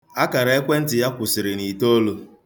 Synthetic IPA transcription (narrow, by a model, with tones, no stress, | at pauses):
a˦ka˨ɾa˨e˦kʷe˦n̩˦tɪ˨ja˦kʷʊ˨sɪ˨ɾɪ˨ni˨to˦lo˦